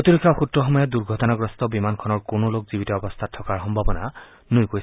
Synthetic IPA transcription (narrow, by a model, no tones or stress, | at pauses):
otiɹɔkʰːaxutɹɔxɔmɔjɔduɹɡʱɔtɔnaɡɹɔstɔbimankʰɔnɔɹkonolokzibitɔɔbɔst̪ʰatʰːɔkaɹxɔmbʱabɔna̰ | nojkojs